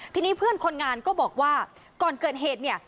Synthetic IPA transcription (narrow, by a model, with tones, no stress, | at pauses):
t̪ʰiː˧niː˦˥pʰɯ˥˩ənkʰo˧nŋaː˧nkɔː˥˩bɔː˨˩k̚waː˥˩ | kɔː˨˩nkɤː˨˩t̪̚ɦeː˨˩t̪̚ni˥˩ə